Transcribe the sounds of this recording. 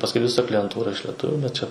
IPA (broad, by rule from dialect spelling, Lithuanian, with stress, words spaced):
pɐsˈkʊɪ ʋʲɪˈsɐ klʲɪjɛnˈtuːrɐ ɪʃ lʲɛˈtʊʋʲʊ bʲɛt t͡ʃʲɛ